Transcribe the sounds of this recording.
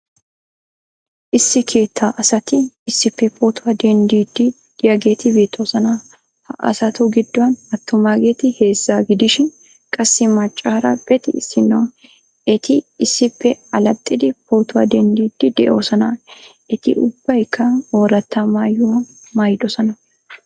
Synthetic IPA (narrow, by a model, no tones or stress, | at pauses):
ʔɪsːɪkʰe̞ːt̪ʰːaːʔɐsɐt̪ɪɪsːɪpːɛpʰʼoːt̪ʊwɐd̪ɛnd̪iːd̪ːɪ | d̪̥ɪjɐɡe̞ːt̪ɪbeːt̪ʼːoːsɐnɐ | hɐʔɐ̰sɐt̪ʊɡɪd̪ːʊwɐnɐt̪ːʊmaːɡe̞ːt̪ɪhe̞ːzːaːɡɪd̪ɪʃɪn | kʼɐsːɪmɐt͡ʃʼːaːɾɐ̰b̥ɛt̪ɪɪsːɪnːɐw | ʔɛt̪ɪɪsːɪpːɛɐlɐt̪ʼːɪd̪ɪpoːt̪ʊwɐ̰d̪ɛnd̪iːd̪̥ːɪd̪ɛʔo̞ːsɐnɐʔɛt̪ɪ̰ʔʊbːɐjkːɐoːɾɐt̪ːɐmaːjʊwɐ | maːjd̪ɔsɐnɐ